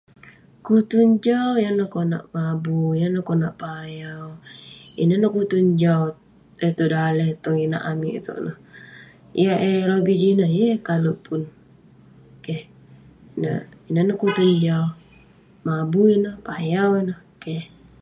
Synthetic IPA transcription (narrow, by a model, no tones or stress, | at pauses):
kut̪uɲd͡ʒawjanəhkona̰ʔmabujanəhkonaʔpajawḭnənəhkut̪uɲd͡ʒaw | ət̪udalɛht̪ɔŋina̰ʔamḭʔt̪ṵʔnəh | jaeɾobid͡ʒinəjəkalupʰun | ke | inə̰inənəhkut̪uɲd͡ʒaw | mabuinəhpajawinəhkɛh